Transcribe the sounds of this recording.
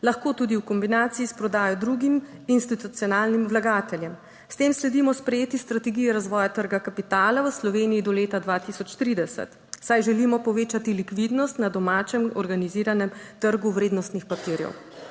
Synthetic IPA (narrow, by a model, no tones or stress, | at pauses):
laxkoːt̪uːd̪iwkɔmbinaːt̪siispɾɔd̪aːjɔd̪ɾuɡiminst̪it̪ut̪siɔnaːlnimwlaɡaːt̪ɛljɛm | st̪eːmslɛd̪imɔspɾɛjeːt̪ist̪ɾat̪ɛɡijɛɾazʋɔːjat̪əɾɡakapit̪aːlawəslɔʋeːnijid̪ɔleːt̪ad̪ʋaːt̪isɔt͡ʃt̪ɾiːd̪ɛsɛ̰t̪ | sajʒɛlimɔpɔʋeːt͡ʃat̪ilikʋid̪nɔst̪nad̪ɔmaːt͡ʃɛmɔɾɡaniziːɾanɛmt̪əɾɡuʋɾeːd̪nɔst̪nixpapiɾjɛ̰w